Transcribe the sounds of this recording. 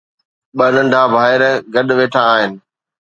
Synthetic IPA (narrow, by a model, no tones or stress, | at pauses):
ɓɐnən̆ɖ̪ʱaːbʱaːɪɾɡɐɗʋeːʈʰaːɦɪnɪ̆